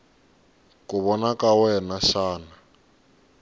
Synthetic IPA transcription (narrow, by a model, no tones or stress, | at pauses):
kuβɔnakawɛnaʃaːna